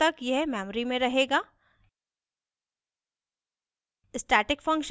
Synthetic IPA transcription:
t̪ɐkjeɦmɛːmɾimẽɾɐɦeːɡaː | ɪsʈɛːʈɪkfɐ̃ŋkʃ

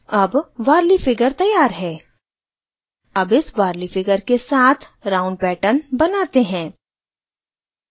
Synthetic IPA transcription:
ɐbʋaːɾlifɪɡəɾt̪ɐjːaːɾɦɛː | ɐbɪsʋaːɾlifɪɡəɾkesaːt̪ʰɾãːʊ̃ɳɖ̚pɛːʈənbɐnaːt̪eɦɛ̃ː

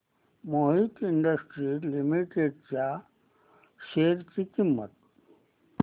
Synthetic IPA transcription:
moɦit̪iɳɖəsʈɾilimiʈeɖ̚t͡ɕja | ʃeɾt͡ɕikimːə̰t̪

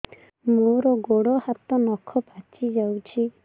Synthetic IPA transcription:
moɾɔɡoɽɔhat̪ɔnɔkʰɔpat͡ʃid͡ʒawt͡ʃʰi

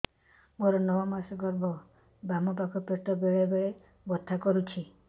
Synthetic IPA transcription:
moɾɔnɔwɔmasɔɡɔɾbɔ | bamɔpakʰɔpeʈɔbeɭebeɭe | bɔt̪ʰːakɔɾut͡ʃʰi

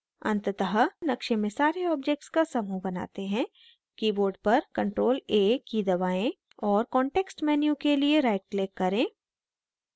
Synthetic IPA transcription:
ɐ̰̃nt̪t̪əɦənɐkʃẽmẽsaːɾeɔːb̚d͡ʒek̚ʈskasɐmubɐna̰ːt̪eɦɛ̃ | kiːboːɾɖ̚pɐɾkɐ̃ɳʈɾoːleːkid̪ɐʋaːẽ | ɔːɾkɔ̃ːɳʈeːksʈmɛːnjũkelieɾaːɪʈ̚kleːkːɐɾẽː

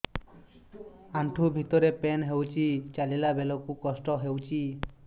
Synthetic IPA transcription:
aɳʈʰubʱit̪ɔɾepenɦewt͡ʃʰit͡ʃalilabelɔkukɔsʈɔɦewt͡ʃʰi

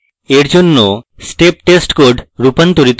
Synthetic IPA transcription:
eɽd͡ʒonːosʈep̚ʈesʈkoɖɾupənt̪uɾit̪

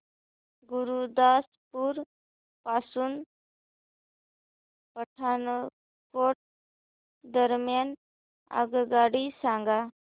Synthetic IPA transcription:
ɡuɾud̪as | puɾ | pasuːn | pəʈʰanə | koʈ̚ | d̪əɾmjan | a̰ɡɡaɽisãŋɡa

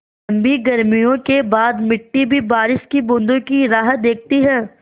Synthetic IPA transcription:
ɐmbiɡɐɾmijõkebaːd̪mɪʈːibʱibaːɾɪʃkibʊ̃nd̪okiɾaːɦət̪̚d̪eːk̚ʰt̪iɦɛ̃ː

